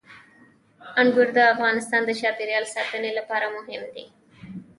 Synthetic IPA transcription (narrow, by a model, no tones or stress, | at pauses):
ɐnɡuɾd̪ɐɐfɡaːnist̪aːnd̪ɐʃaːpiɾjaːlsɐb̪ɐnilːɐpɐɾɐmuɦimd̪i